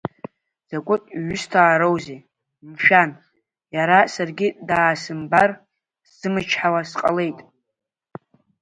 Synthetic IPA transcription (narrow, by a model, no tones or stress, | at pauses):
z̥akʷʼʊtʼɥʏstʰaːɾowze | mʃᶣan | jaɾasarɡʲidaːsɨmbar | sɨmɨt͡ʃʰħawasqʼa̰le̞jtʼ